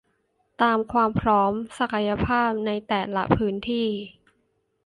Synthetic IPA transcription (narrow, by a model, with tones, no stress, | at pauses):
t̪aː˧mkʰwaː˧mpʰɾɔː˦˥msa˨˩kʰa˧ja˧pʰaː˥˩p̚na˧jt̪ɛː˨˩la̰˦˥pʰɯː˦˥nt̪ʰiː˥˩